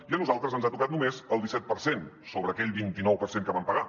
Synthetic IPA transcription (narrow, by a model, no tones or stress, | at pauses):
iənuzalˠt̪ɾəzənzat̪ukat̪̚numezəlˠd̪isɛt̪̚pəɾsensoβɾəːkɛʎbint̪inɔwpəɾseŋkəβampəɣa